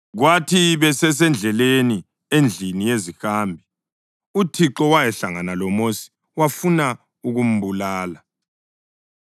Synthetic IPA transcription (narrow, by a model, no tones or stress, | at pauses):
ɣwatʰiβɛsɛs̬ɛnd͡ɮʱɛleni | end͡ɮʱinijezixaːmbʱi | utʰiǁɔwajɛɬaŋanalɔmosi̥ | wafuna | uɣum̩bulaːla